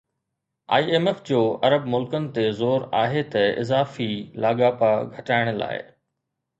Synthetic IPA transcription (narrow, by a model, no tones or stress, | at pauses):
a̰ːieːmeːfd͡ʑoːɐɾəbmʊlkənɪ̆t̪ezoːɾaːɦet̪ɐɪ̰zaːfilaːɠaːpaɡʱɐʈaːɪɽ̃la̰ːɪ̰